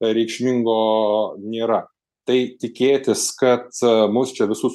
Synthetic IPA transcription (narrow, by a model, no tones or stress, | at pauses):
ɾʲɛɪkʃʲmʲɪŋɡoːnʲeːɾɐ | t̪ɐɪt̪ʲɪkʲeːt̪ʲɪskɐt̪mʊst͡ʃʲɛʋʲɪsus